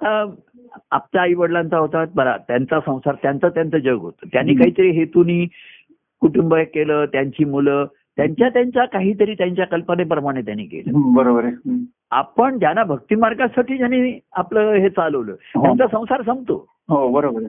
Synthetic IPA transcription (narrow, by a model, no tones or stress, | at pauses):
at̪a | ap̚t͡ɕjaiʋəɽlãnt͡saɦot̪at̪̚bəɾa̰t̪jant͡sasə̃w̃saɾt̪jant͡səːt̪jant͡səːd͡ʑəɡɦot̪ət̪janːiːkaɦiːt̪əɾiɦet̪uniː | kuʈumbəkeləːt̪jaɲt͡ɕiːmulə | t̪jaɲt͡ɕjat̪jaɲt͡ɕjakaɦiːt̪əɾiːt̪jaɲt͡ɕjakəlpənepɾəmaɽ̃et̪janːḭːkḛlə̰ɦbəɾobəɾ | a̰pəɳt̪janːabʱəɡ̚t̪iːmaɾɡasaʈiːd͡ʑanːiapləɦet͡saləʋlə̰ːtɦjant͡sasə̃w̃saɾs̬ə̃mɡt̪o̰ | ɦobəɾobəɾ